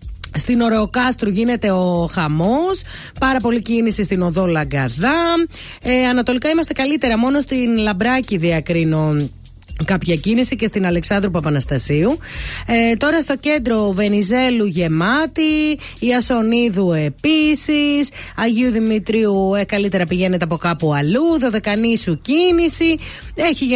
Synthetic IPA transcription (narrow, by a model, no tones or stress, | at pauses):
st̪ino̞ɾe̞okɐst̪ɾuʝine̞t̪e̞oxɐmo̞s | pɐɾɐpo̞licinisist̪ino̞ðo̞lɐɡɐðɐ | eɐnɐt̪o̞likɐimɐst̪e̞kɐlit̪e̞ɾɐmo̞no̞st̪inlɐbɾɐciðiɐkɾinon | kɐpçɐcinisice̞st̪inɐle̞ksɐnd̪ɾupɐpɐnɐst̪ɐsiuet̪o̞ɾɐst̪o̞ce̞nd̪ɾo̞ve̞nize̞luʝe̞mɐt̪iːɐso̞niðue̞pisisɐʝiuðimit̪ɾiuekɐlit̪e̞ɾɐpiʝe̞net̪eɐpo̞kɐpuɐluðo̞ðe̞kɐnisucinisie̞çi